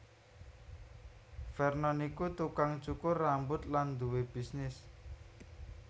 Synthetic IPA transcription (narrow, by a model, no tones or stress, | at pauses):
fɛrnɔnikut̪ukaŋt͡ʃukʊrːambʊt̪land̪uweb̥isnɪs